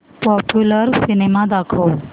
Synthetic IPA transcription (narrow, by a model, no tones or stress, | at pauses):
pɔpjuləɾsinemad̪akʰow